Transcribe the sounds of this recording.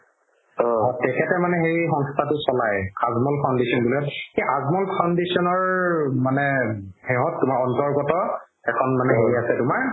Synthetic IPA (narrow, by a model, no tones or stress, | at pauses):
ɔ̃tɛkʰɛtɛmanɛɦejixɔŋstʰatʊsɔlajkazmɔlkʰawndisɔnbulɔjɔtxejʔazmɔlkʰawndisɔnɔɹmanɛhɛɦɔ̃tːʊmaɹɔntɔɹɡɔtɔ | ɛkʰɔnmanɛɦeɹiasɛtʊmaɹ